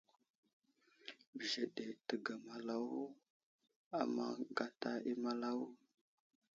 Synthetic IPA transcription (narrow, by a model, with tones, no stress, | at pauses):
bə˨ʒe˨ɗe˨tə˨ɡa˨ma˨la˦w | a˨ma̰˦ɡa˦ta˦i˦ma˦la˦w